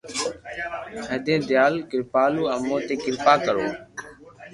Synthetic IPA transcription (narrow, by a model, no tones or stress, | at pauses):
əːd̪ẽːd̪jaːlkɪɾpaːluːəmõːt̪eːkɪɾpaːkəɾoː